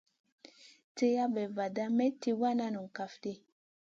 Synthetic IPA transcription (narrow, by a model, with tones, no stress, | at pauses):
te˦ja˦bɛ˨va˨da˦mɛ˦ti˦wa˦na˦nu˨ŋ˨ka˨fdi˦